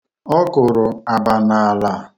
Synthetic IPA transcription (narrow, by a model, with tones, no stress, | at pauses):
ɔ˦kʊ˨ɾʊ˨a˨ba˨na˨a˨la˦˨